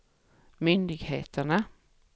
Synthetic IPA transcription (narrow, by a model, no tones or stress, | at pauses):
mʏnd̪ɪɡheːt̪ʰəɳa